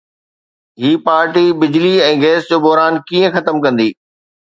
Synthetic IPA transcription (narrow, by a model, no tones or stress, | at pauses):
ɦiːpaːɾʈibɪd͡ʑliɛ̃ːɡeːsd͡ʑoːbɔɦɾaːnkiːə̃xɐt̪əmkɐ̃nd̪iː